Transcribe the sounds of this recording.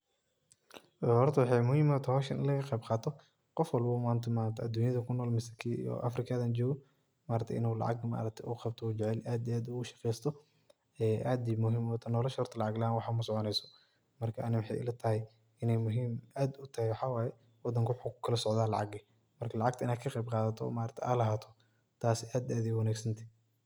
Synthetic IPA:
ɛhɔrt̪ʰɐwɑħɑjmʊhiːmɔt̪ʰɐhɔːʃɐnʔɪ̰nlɐɣɐqɛjbqɑːt̪ʰɔ | qɔfwɑlbuːmaːnt̪ʰɐmaːnt̪ʰɐɐd̪uːnjɐðɐkʰʊnɔːlmɪsɐkʰiḭjɔ̰ʔɐ̰frɪkʰaðɐːnd͡ʒɔːɣɔ | maːɾɐt̪ʰɛ̰ʔɪ̰nuːlɑ̰ʕɑ̰ɡma̰ːɾɐt̪ʰɛʔuqɑb̚t̪ʰɔuːd͡ʒɛʕɛlʔaːd̪iaːd̪uːʊʃɑ̥qɛːjst̪ʰɔ | ɛʔaːd̪imʊɦɪmwɔːt̪ʰɐnɔːlɐʃhɔrt̪ʰɐlɑʕɑɡlanwɑħɑːmɐsɔʕɔnɛjsɔ̥ | mɐrkʰɐʔɐnɪwɑħɑ̰jɪ̰lɐt̪ʰɐhɛj | ɪnɛjmʊɦiːmʔaːd̪ʊt̪ʰɐhɛjwħɑːwaːjɛ | wɑd̪ːɐŋkʰʊwʊħukʊ̥kʰɐlɐsɔʕðaːlɑ̰ʕɑɡi | mɐrkʰɐlɑʕɑɡ̚t̪ʰɐɪnaːkʰɐqɛjb̚qɑːðɐt̪ʰɔɔ̰ːmaːɾɐt̪ʰɛʔaːlɐɦaːt̪ʰɔ̥ | t̪ʰaːsɛʔaːd̪iaːd̪ijwɐnaːɡsɐnt̪ʰi̥

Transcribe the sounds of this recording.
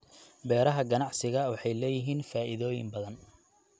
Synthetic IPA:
bɛːɾɐɦɐɡɐnɑʕsɪɣɐwɑħɑjlɛːjɪɦiːnfaːʔɪðɔːjɪ̰mbɐðɐn

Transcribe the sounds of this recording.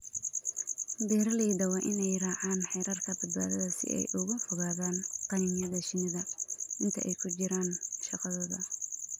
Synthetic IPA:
d̪ɛːɾɐlɛjd̪ɐwɑːʔɪnɛjraːʕaːnħɛjɾɐrkʰɐbɐd̪ba̰ːðɐðɐsɪ̰ʔɛ̰jʔʊɣɐfʊɣaːðaːnqɑniːmjɐðɐʃɪnɪðɐʔɪnt̪ʰɐ̰ʔɛjkʰʊt͡ʃɪɾaːnʃɑqɑðɔːðɐ

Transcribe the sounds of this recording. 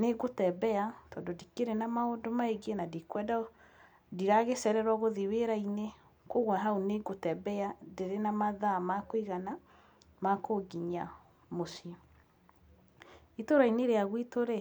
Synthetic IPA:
neɡotɛbɛatɔːndodikeɾenamaodomaeɡenadikwɛda | diɾaɣesɛɾɛɾwɔɣoðiweɾaine | koɣwɛɦaoneɡotɛbɛadeɾenamaðamakoiɣana | makoɡiɲa | mosia | itoɾaineɾeaɣwitoɾe

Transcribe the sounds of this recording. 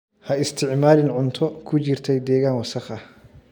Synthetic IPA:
hɐɪst̪ʰɪʕmaːlɪnʕʊnt̪ʰɔkʰʊt͡ʃɪrt̪ʰɛjd̪ɛːɣaːnwɐsɐχɐ

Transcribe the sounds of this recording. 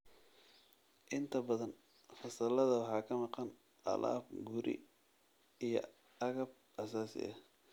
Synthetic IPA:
ʔɪnt̪ʰɐbɐðɐn | fɐsɐlɐðɐwɑħɑːkʰɐmɑqɑn | ɑ̰la̰ːb̚ɡʊɾɪ̰ | ijɞ̰ | ɐɣɐb̚ | ʔɐsaːsɪ̰ʔɐ

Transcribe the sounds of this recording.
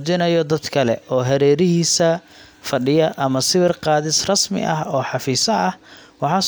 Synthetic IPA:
t͡ʃɪnɐjɔd̪ɐd̪kʰɐlɛ̰ɔːɦɛɾɛːɾɪɦiːsɐ | fɐɖɪjɐʔɐmɐsɪβɪrqɑːðɪsrɐsmɪ̰ʔɐɦɔːħɑfiːsɐɐhwɑħɑs

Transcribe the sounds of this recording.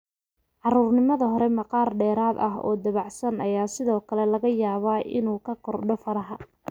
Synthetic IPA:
ʕɑruːrnɪmɐðɐɦɔɾɛmɑqɑːrɖɛːɾaːd̪ɐ̰ɦɔ̰ːd̪ɐβɑʕsɐnʔɐjaːsɪðɔːkʰɐlɛlɐɣɐjaːβaːʔɪ̰nuːkʰɐqʰɔrɖɔfɐɾɐɦɐ

